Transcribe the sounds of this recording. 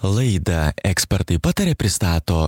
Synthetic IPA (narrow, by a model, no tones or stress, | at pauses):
lˠɐɪd̪ɐɛksʲpʲɛɾt̪ɐɪpɑːt̪ɐɾʲeːpʲɾʲɪst̪ɑːt̪oː